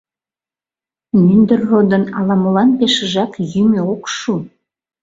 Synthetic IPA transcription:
mynd̪ərːod̪ənɑlɑməlɑnpeʃə̆ʒɑkjymøokʃu

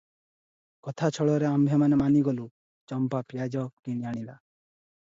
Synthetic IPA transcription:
kɔt̪ʰat͡ʃʰɔɭɔɾeambʱemanemaniɡɔlu | t͡ʃɔmpapijad͡ʒɔkiñiaɽ̃ila

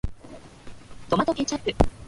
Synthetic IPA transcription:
t̪omat̪okʲet͡ɕapːɯ̟

